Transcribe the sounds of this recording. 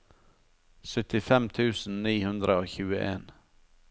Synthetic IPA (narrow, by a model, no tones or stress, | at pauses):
sœt̪ɪfɛmt̪ʰʉːsn̩niːhʉnd̪ɾəoːçʉːəʔeːn